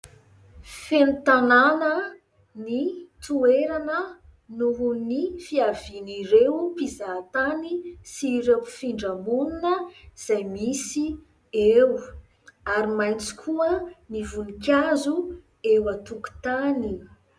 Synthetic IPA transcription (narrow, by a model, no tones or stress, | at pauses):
fenit̪ananə | nit̪ueɾanə | nuɦunifiaviniɾewpizat̪anisiɾepi̥fiɳɖ͡ʐamuninəz̥ajmisi | ew | aɾimajnt͡si̥kʰuənivunikʲazu | ewat̪uku̥t̪ani